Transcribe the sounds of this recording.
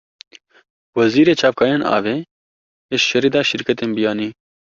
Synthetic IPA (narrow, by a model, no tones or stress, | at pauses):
wɐziːɾeːt͡ʃʰaːpkʰaːjeːnʔɑ̰ːveː | eʃʃɐɾiːd̪aːʃɪɾkɐt̪eːmbijaːniː